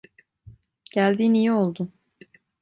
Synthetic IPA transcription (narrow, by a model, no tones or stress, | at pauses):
ɟ̥ælʲd̪iːnijio̞lˠd̪ʊ